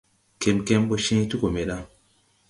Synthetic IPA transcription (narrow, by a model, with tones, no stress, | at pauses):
ke˨mke˦mɓo˦ʃẽ˦tu˦ko˨me˨ɗa˦